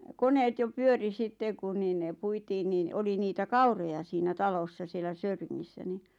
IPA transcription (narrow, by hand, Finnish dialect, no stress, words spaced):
koneːt jo pyøri sitːe ku niːn ne puitiːn niːn oli niːtæ kɑurojɑ siːnæ tɑlosːɑ sielæ søyriŋːisːæ ni